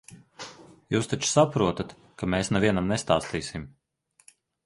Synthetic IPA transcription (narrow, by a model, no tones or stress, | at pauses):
juːst̪at͡ʃu̥sapɾuɔt̪at̪ | kameːsnaviɛnamnɛst̪aːst̪iːsim